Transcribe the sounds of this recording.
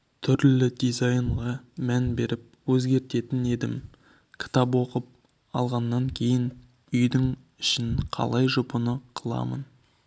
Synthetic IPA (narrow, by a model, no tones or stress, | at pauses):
t̪ʰʏɾlɪd̪izajɴʁɑmænbe̞ɾɪp̚wɵzɡʲe̞ɾt̪e̞t̪ɪne̞d̪ɪm | kʲʰɪ̥t̪ɑpwo̞qəp̚ | ɑlˠʁɑnːɑŋkʲʰe̞jɪn | ʏjd̪ɪŋ | ɪʃɪnqʰɑ̰lˠɑjʒʊpənəqʰəlˠɑ̰mə̰n